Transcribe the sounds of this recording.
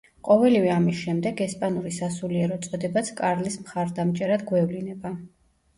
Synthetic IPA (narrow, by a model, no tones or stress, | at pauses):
qʼɔvɛlivɛamisʃɛmd̪ɛɡɛspʼanuɾisasuliɛɾɔt̪sʼɔd̪ɛbat̪sʰkʼaɾlismχaɾd̪amt͡ʃʼɛɾad̪ɡwɛvlinɛba